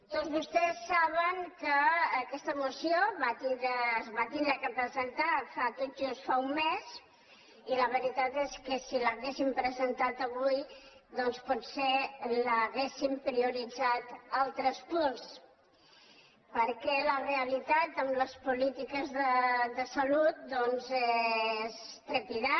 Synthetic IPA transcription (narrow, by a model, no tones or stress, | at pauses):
t̪ozβust̪ɛsːaβəŋkəːkɛst̪əmusioβat̪iəːzβat̪ind̪ɾəkəpɾəzənt̪afat̪od͡ʒust̪faumːes | iləβəɾit̪at̪eskəsiləɣesimpɾəzənt̪at̪əβuj | ðɔnspɔt̪seləɣesimpɾiuɾid͡zat̪alˠt̪ɾəspuns | pəɾkɛləreəlit̪at̪əmləspulit̪ikəzðəðəsəlut̪̚d̪ɔnzɛs | t̪ɾəpiða